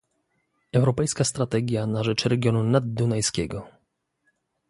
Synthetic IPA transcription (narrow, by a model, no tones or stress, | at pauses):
ɛwɾɔpɛjskast̪ɾat̪ɛɡʲjanaʐɛt͡ʂɾɛɡʲjɔnunad̪ːunajskʲɛɡɔ